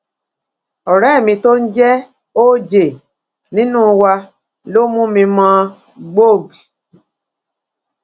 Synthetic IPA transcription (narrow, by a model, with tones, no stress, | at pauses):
ɔ˨ɾɛ˨˦˨mĩ˧to˦n̩˦d͡ʒɛ˦ | o˦d͡ʒe˨ | nĩ˦nũ˦˧wa˧ | lo˦mũ˦mĩ˧mã˦ | ɡ͡bo˦˨ɡ